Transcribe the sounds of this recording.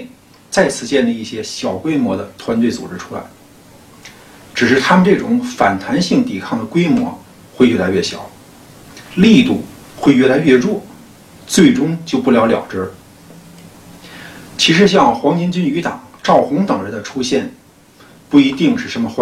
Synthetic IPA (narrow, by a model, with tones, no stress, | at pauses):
t͡sa˥˧ɪt͡sʰɹ̩˨˩t͡ɕjɛ˥˩nlə˩i˥˩ɕjɛ˥ɕjɑ˨˩ʊkwe˥ɪmwɔ˧˥d̪ə˧t̪ʰwa˧˥nt̪we˥˩ɪt͡sṵ˨˩ʈ͡ʂɻ̩˥ʈ͡ʂʰu˥la̰˧˥ɪ | ʈ͡ʂɻ̩˨˩ʂɻ̩˥˩t̪ʰa˥mə˨nʈ͡ʂɤ˥˩ʈ͡ʂʊ˧˥˦ŋfa˨˩nt̪ʰa˧˥nɕi˥˧ŋt̪i˥˨˩kʰɑ˥˩ŋd̪ə˩kwe˥ɪmwɔ̰˧˥ | xwe˥˧ɪɥɛ˥˩la˧˥ɥɛ˥˩ɕjɑ̰˨˩˦ʊ | li˥˧t̪ṵ˥˧ | xwe˥˧ɪɥɛ˥˩la˧˥ɪɥɛ˥˧ʈ͡ʂu˥˩ | t͡swe˥˩ɪʈ͡ʂʊ˥ŋt͡ɕjo˥˧ʊpu˥˩ljɑ˧˥ʊljɑ̰˨˩ʊʈ͡ʂ̩˥ | t͡ɕʰi˧˥ʂɻ̩˧˥ɕ̬jɑ˥˩ŋxwɑ˧˥ŋt͡ɕi˧˥nt͡ɕy˥ny˧˥t̪ɑ̰˨˩˦ŋʈ͡ʂɑ˥˩ʊxʊ˧˥ŋt̪ɤ˨˩ŋɻə˧˥nd̪ə˧ʈ͡ʂʰu˥ɕjɛ˥˧n | pu˥˩i˧˥t̪i˥˧ŋʂɻ̩˥˩ʂə˧˥nmə˧xwa˥˧